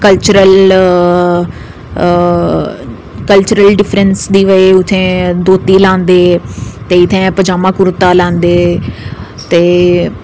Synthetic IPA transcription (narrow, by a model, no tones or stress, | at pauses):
kəlt͡ʃʊɾəl | kəlt͡ʃʊɾəlɖɪfʰɾənsd̪iːʋəeːʊt̪ʰẽːd̪oːt̪iːlãːnd̪eːt̪eːɪt̪ʰẽːpəd͡ʒaːmãːkʊɾt̪aːlãːnd̪eː | t̪eː